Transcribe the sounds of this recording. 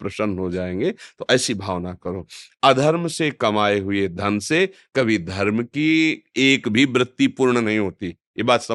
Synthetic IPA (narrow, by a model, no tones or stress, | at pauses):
pɾɐʃənɦod͡ʒaːẽːŋɡet̪oʔɛːsibʱaːʋnakɐɾoːɐd̪ʱɐɾmsekɐmaːeɦʊed̪ʱɐnsekɐbʱid̪ʱɐɾmkieːkbʱibɾɪt̪ːipuːɾɳənɐɦĩɦoːt̪i | jebaːt̪sɐ